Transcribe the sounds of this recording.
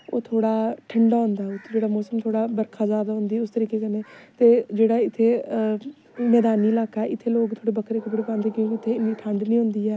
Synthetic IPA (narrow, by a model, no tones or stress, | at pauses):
oːt̪ʰoːɽaːʈʰəɳɖaːɦʊ̃ːnd̪aːʊt̪ʰd͡ʒeːɽaːmoːsəmt̪ʰoːɽaːbəɾkʰaːzaːd̪aːɦʊ̃nd̪iːʊst̪əɾiːkeːkənẽːt̪eːd͡ʒeːɽaːɪt̪ʰːeː | nɛːd̪aːniːlaːkaːɛːʔɪt̪ʰːeːloːɡt̪ʰoːɽeːbəkʰɾeːkəpɽeːpãːnd̪iːkjõːkɪɪt̪ʰːeːɪnːiːʈʰəɳɖnĩːɦõːnd̪iːɛː